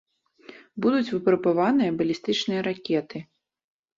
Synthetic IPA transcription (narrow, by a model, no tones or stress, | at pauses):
bud̪ut͡sʲvɨpɾbavanɨjɐbɐlʲist̪ɨt͡ʂnɨjɐɾakʲɛt̪ɨ